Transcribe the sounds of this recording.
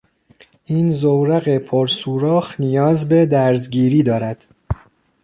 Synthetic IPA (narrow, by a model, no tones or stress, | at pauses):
ʔiːnzowɾæɣepʰoɾsuːɾɒːxnijɒːzbe̞d̪æɾzɟiːɾiːd̪ɒːɾæd̪̥